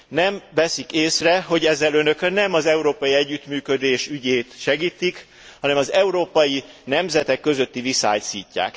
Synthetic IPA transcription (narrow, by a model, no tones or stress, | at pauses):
nɛmvɛsikeːsrɛɦo̞ɟɛzːɛlønø̞knɛmɒzɛuɾoːpɒjiɛɟːyt̪myːkød̪eːʃyɟeːt̪ʃɛɡiːt̪ik | hɒnɛmɒzɛuɾoːpɒji | nɛmzɛt̪ɛkːø̞zø̞t̪ːivisa̰ːjsiːcːa̰ːk